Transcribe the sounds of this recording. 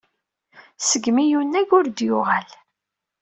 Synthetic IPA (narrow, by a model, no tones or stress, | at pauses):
səɡmijunːæɡʊɾd̪jʊʁal